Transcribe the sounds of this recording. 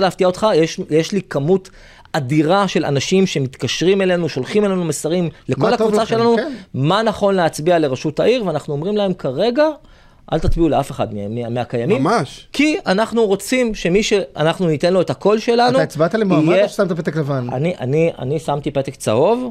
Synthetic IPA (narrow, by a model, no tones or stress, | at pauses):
leaft̪iao̞t̪χajeʃjeʃlikamut | adiʁaʃe̞lʔa̰naʃimʃe̞mit̪kaʃʁime̞le̞nuʃo̞lχime̞le̞numesaʁimlekolhakvut͡saʃelanumanaχo̞nleat͡sbiale̞ʁaʃutaʔiʁveanaχnuo̞mʁimlahe̞mkaʁe̞ɡa | ʔa̰lt̪atbiule̞afe̞χa̰d̪memmeakajamimmaʃkianaχnuʁo̞t͡simʃe̞miʃe̞a̰naχnunit̪e̞nlo̞et̪hakʰo̞lʃe̞lanuait͡sbat̪alimajʃsamt̪apet̪eklevana̰niʔa̰nia̰nisamt̪ipet̪ekt͡sa̰o̞v